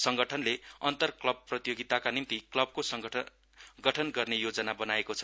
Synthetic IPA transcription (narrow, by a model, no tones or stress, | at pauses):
sʌŋɡʌʈʰʌnleʌnt̪ʌrklʌb̚prʌt̪joɡit̪akanimt̪iklʌb̚kosʌŋ | ɡʌʈʰʌnɡʌrnejod͡zʌnabʌnaekot͡sʰʌ̥